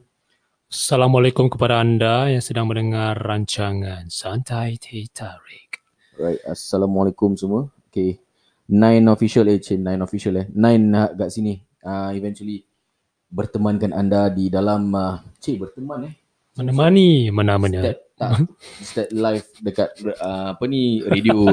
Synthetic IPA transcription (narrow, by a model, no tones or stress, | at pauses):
salamualekumkəpadaːndajaŋsədaŋmə̃nəŋarːaɲt͡ʃaŋãnsant̪ʰajt̪ʰet̪ʰaɹik | ɹajt̚a̰salamalekumsumuəoke | nãjnofiʃalet͡ʃenãjnofiʃalɛnãjnhaʔɡaʔsini | əivɛ̃nt͡ʃuəli | bərt̪əmãnkanandadidalamət͡ʃebərt̪əmãnɛ | mənamanimənamanaɛt̚t̪ast̪ɛt̪̚lajfdəkat̪̚əapaniɾedio